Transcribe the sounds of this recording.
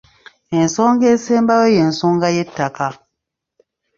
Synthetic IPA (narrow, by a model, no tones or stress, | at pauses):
ensɔŋɡesɛ̃mbawejensɔ̃ŋɡajetaka